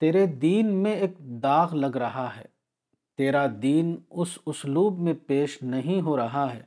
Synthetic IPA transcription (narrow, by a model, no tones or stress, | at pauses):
t̪eːɾed̪iːnmẽeːk̚d̪aːɣlɐɡɾɐɦaɦɛ̰ː | t̪eːɾad̪iːnʊsʊsluːbmẽpeːʃnɐɦĩɦoɾɐɦaɦɛ̰ː